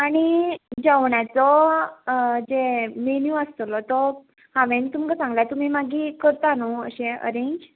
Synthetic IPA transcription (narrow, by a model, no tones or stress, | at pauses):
aɽ̃id͡zawɳjat͡sɔ | d͡zemenjũəst̪lɔt̪ɔ | hãʋẽnt̪umkasãŋɡlat̪um̤iːmaɡʱiːkəɾt̪anawə̰ɕẽə̰ɾẽɲd͡ʑ